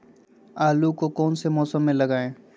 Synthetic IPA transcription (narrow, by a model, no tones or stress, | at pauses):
aːlukokɔːnsemɔːsəmːẽləɡaːẽː